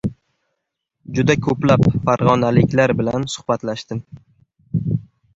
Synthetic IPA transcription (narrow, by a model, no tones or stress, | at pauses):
d͡ʒʊd̪akʰɵplapfaɾʁɒnalɪkʲlaɾbɪlansʊ̥hbat̪laʃt̪ɪm